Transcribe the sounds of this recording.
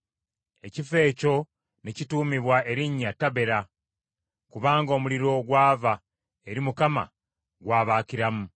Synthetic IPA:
e̞cife̞ːco̞ | necituːmiβwae̞ɾiɲːatːaβe̞ɾa | kuβaːŋɡo̞ːmuliɾo̞ɡwaːva | e̞ɾimukama̰ | ɡwaːβaːciɾamu

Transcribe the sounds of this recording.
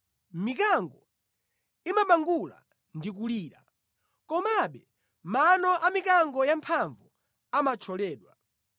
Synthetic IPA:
mik̬aŋɡɔ | imaɓaŋɡula̰ | ndik̬uliːɾa | kɔmaɓɛ | manɔʔamikaŋɡɔjampʰaɱvu | amat͡ʃʰɔlɛːɗwa

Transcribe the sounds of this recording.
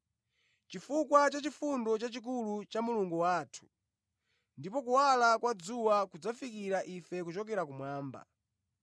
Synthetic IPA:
t͡ʃifukwat͡ʃat͡ʃifundɔt͡ʃat͡ʃik̬ulut͡ʃamuluŋɡuwaːtʰu̥ | ndipɔkuwalakwad͡zuwakud͡zafikiɾaʔifɛkut͡ʃɔkɛɾakumwaːmba̰

